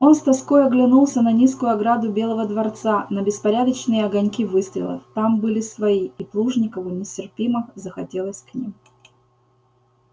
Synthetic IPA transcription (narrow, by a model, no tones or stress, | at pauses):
o̞nst̪ɐskojɐɡlʲɪnulˠsʲənɐnʲiskʊjʊɐɡɾad̪ʊbʲelˠəvəd̪vɐrt̪sanəbʲɪspɐɾʲad̪ət͡ɕnɨjəɐɡɐnʲkʲivɨst̪ɾʲɪ̰lˠə̰ft̪ambɨlʲɪsvɐiiplˠuʐnʲɪkəvɨnʲɪtʲɪrpʲimɨxzəxɐtʲe̞lˠəsʲknʲim